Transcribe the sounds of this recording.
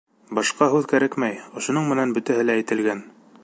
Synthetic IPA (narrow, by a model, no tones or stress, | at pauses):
bɑʃqɑɦʉðkæɾækmæjŏʃŏnɤɴmɘ̆nænbɵ̆t̪æɦɘlæːjt̪ɘ̆lɡæn